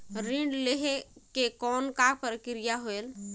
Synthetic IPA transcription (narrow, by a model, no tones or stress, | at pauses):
ɾiɳɖleɦekekɔnkapəɾkɾijaɦoel